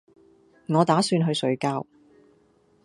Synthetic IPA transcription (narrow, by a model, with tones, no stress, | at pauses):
ŋɔː˨˧t̪aː˨˥syː˧nɦɵ˧sɵ˨˧ɥkaː˧w